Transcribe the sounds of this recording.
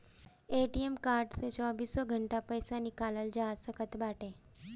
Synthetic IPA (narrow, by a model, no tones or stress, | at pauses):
eʈiemkaɾɖset͡ʃɔbisɔɡʱəɳʈapəjsanikaləld͡ʒasəkət̪baʈʰe